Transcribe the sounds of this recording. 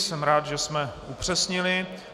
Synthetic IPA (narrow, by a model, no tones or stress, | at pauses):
sɛmɾaːd̪ʒɛsmɛʔupr̝̥ɛsɲɪlɪ